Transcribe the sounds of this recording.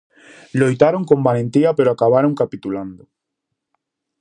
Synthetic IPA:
lojt̪aɾoŋkombalẽnt̪iɐpeɾoakaβaɾõŋkapit̪uland̪ʊ

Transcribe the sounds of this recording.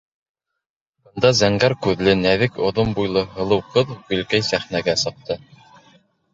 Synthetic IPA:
ŏnd̪ɑzæŋɡæɾkʉðlɘnæðɘkŏðombujlˠɤɦɤ̆lˠɤ̆wqɤðɡɵ̆lkæjsæχnæɡæsɤ̆q̚t̪ɤ

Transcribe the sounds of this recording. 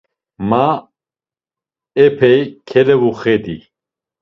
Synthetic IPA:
ma | ɛpʰɛjkʰɛlɛvuχɛd̪i

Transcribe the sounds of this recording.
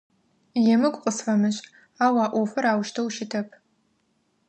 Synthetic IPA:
jɛmɨɡʷʼqʼʊsħɐmɨɕʼ | aːwaːʔʷɔfɐɾaːwʃtʰɐwʃɪtʰɐpʰ

